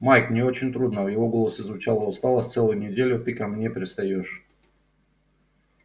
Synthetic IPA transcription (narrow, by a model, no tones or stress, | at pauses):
majknʲɪo̞t͡ɕɪnʲt̪ɾud̪nəvjɪvo̞ɡo̞lˠəsɨzvʊt͡ɕalˠəʊst̪ɑlˠəsʲt̪sɛlˠəjʊnʲɪdʲelʲʊt̪ɨkɐmnʲe̞pɾʲɪst̪ɐjoʂ